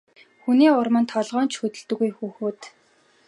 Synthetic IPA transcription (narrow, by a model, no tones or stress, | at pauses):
xuniːʊrmə̆nt̪ʰɔɮʁɔːnt͡ɕxɵt̪ɵ̆ɮt̪ɵ̆ɣujxuːxuːt̪